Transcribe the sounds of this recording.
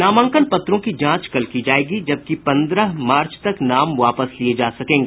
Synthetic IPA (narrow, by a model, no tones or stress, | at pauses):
naːmə̃ŋkəlpɐt̪ːɾõkid͡ʒãːt͡ʃkɐlkid͡ʒaːeːɡid͡ʒɐb̚kipɐ̃nd̪ɾəɦmaːɾt͡ʃt̪ɐknaːmʋaːpəslied͡ʒaːsɐkẽːŋɡeː